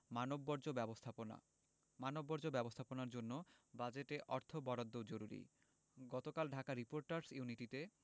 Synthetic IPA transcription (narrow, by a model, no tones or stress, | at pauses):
manobːɔɾd͡ʑobɛbost̪ʰapona̰ | manobːɔɾd͡ʑobɛbost̪ʰaponaɾd͡ʑonːobad͡ʑeʈeʔɔɾt̪ʰobɔɾod̪ːod͡ʑoɾuɾḭ | ɡɔt̪okalɖʱakaɾipoɾʈaɾsjuniʈit̪e